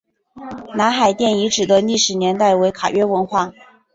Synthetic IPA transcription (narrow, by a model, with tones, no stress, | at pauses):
na˧˥nxa˨˩ɪt̪jɛ˥˩ni˧˥ʈ͡ʂɻ̩˨˩d̪ə˦li˥˩ʂɻ̩˧˥njɛ˧˥nt̪a˥˩ɪwe˧˥ɪkʰa̰˨˩ɥɛ˥wə˧˥nxwa˥˩